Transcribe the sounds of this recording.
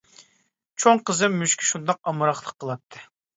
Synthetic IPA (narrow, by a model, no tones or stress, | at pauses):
t͡ʃʰoŋqəzɨmːyʃkʲʰi̥ʃund̪ɑqɑmɨɾɑχlˠəqʰːəlˠɑt̪ʰːɨ